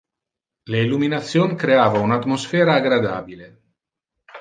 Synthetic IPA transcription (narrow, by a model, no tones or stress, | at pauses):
leiluminat̪sːjonkɾeaːvaunat̪mosfɛːɾaːɡɾad̪a̰ːbile